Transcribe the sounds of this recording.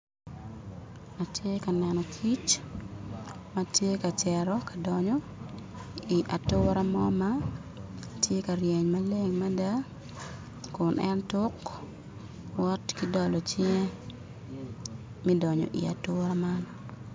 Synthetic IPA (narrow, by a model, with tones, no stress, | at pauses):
a˨tje˦kanɛ˨nɔ˨kʰi˦t͡ʃ | matje˦ka˨t͡ʃɛɾɔka˨dɔɲɔ˦ | i˨ʔa˨tʊɾa˦mɔma˦ | tje˦ka˨ɾjɛ˨ɲmale˦ŋma˦da˦ | kʊnɛ̰ntʊ˦k | wɔ˦tkidɔ˨lɔt͡ʃi˦ŋɛ˦ | mi˦dɔɲɔ̰˨ʔḭ˨a̰˨tʊɾaman